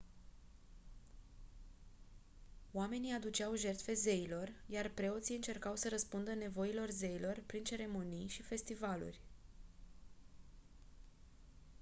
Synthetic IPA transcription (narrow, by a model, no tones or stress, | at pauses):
oame̞niad̪ut͡ʃawʒe̞rt̪fe̞ze̞ilo̞rjarpɾe̞o̞t̪sijɨnt͡ʃe̞rkawsəɾəspund̪əne̞vo̞ilo̞rze̞ilo̞rpɾint͡ʃe̞ɾe̞mo̞nijʃife̞st̪ivalṵrʲ